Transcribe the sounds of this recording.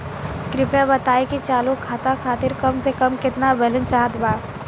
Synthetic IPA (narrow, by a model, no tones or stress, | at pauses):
kɾɪpjabɐt̪aːekit͡ʃaːlukʰaːt̪akʰaːt̪ɪɾkɐmsekəmkɪt̪nabəɦlənt͡ʃaːɦət̪baː